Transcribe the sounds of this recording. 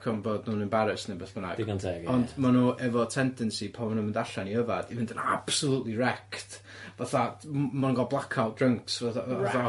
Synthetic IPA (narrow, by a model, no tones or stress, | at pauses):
kʰɔnvoːdnuːnənbaɾɪsnɪbɛθb̥ənaɡdkantʰɛɡɔndmanuʔɛvɔtʰɛndɛnsipʰamanəməndaɬaniəvad̥ivɪndəna̰b̥səlˠutlirɛkt | vaθamanəŋɡɔlˠblˠakʰad̥rəŋksvaavaθa